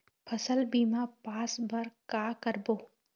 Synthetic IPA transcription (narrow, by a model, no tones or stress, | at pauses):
pʰɐsəlbiːmapaːsbɐɾkaːkəɾboː